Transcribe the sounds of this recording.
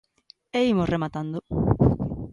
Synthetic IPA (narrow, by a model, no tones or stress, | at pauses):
eimʊsremat̪and̪ʊ